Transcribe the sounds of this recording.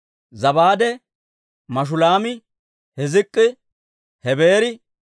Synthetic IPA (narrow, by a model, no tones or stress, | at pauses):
zɐbaːd̪ɛ | mɐʃ̬ʊlaːmɪ | hɛzɪkʼːɪ | hɛbeːɾɪ